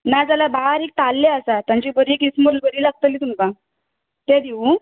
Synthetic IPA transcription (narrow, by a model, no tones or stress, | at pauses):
nad͡zalabaɦaɾek̚t̪alːeəsat̪jãɲt͡ɕiːbəɾiːekisməɾlbəɾiːlaɡ̚t̪əliːt̪umkã | t̪ãd̪iu